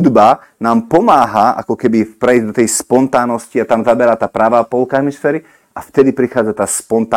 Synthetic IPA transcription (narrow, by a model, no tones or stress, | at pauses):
d̪ba | naːmpɔmaːɦaʔa̰kɔkɛbipɾɛizd̪ɔt̪ɛjspɔnt̪aːnɔsciat̪amzabɛɾaːt̪aːpɾaʋaːpɔlkaɦmisfɛːɾi | ʔaft̪ɛd̪ipɾixaːd͡zat̪aːspɔnt̪a